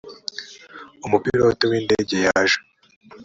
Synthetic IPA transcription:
umupiɾotowiːnde̞ːɟe̞jaʒa

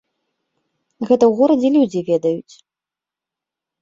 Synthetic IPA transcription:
ɣɛt̪ɐwɣuɾɐd͡zʲɛlʲud͡zʲivʲɛd̪ɐjut͡sʲ

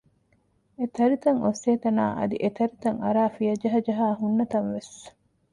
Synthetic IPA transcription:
et̪ɐɾit̪ɐŋoseːt̪ɐna̰ːʔɐ̰d̪ḭʔet̪ɐɾit̪ɐŋɐɾaːfijɐd͡ʒɐɦɐd͡ʒɐɦaːɦunːɐt̪ɐnʋes

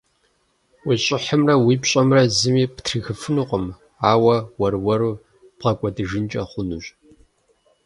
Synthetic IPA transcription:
wiɕʼɪħəmrɐwiːpɕʼɐmrɐzɨmiːpʰtʰrɨxɨfɨnuqʷʼəm | aːwɐwɐrwɐɾuː | pʁɐkʷʼɔdɨʒɪnt͡ʃʼɐχʷʊnuɕ

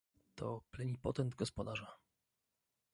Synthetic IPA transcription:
t̪ʰɔ̰plɛɲʲipɔ̰t̪ɛnd̪ɡɔspɔd̪aʐa

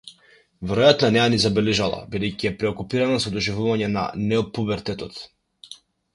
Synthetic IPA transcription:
vɛɾɔjat̪nanɛjanizabɛlɛʒalˠa̰bid̪ɛjciɛpɾɛɔkupiɾanasɔd̪ɔʒivuvaɲɛna̰nɛɔpubɛɾt̪ɛt̪ɔt̪

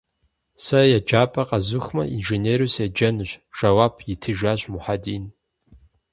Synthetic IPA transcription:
sɐjad͡ʒaːpʼɐqʼazuxmɐ̰ʔinʒeneɾusad͡ʒɐnɨʒʷʒ̥ɐwapʰʼjitʰɨʒaʒʷmʊħadiːn

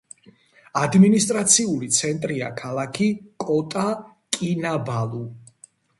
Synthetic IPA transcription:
ad̪minist̪ʼɾat̪sʰiulit̪sʰɛnt̪ʼɾiakʰalˠakʰikʼɔt̪ʼa | kʼinabalˠu

